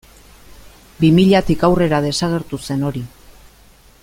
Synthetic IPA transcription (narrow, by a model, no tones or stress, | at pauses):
bimiʎat̪ikawre̞ɾaðe̞saɣ̞e̞ɾt̪use̞no̞ɾi